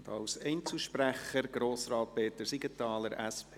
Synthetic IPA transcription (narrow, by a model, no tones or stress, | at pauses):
ndɑ̰wsɛɪnt͡suʃpræχəɾɡɾoːsɾɑːt̚peːt̪əɾsiɡətɑːləɾæspʰe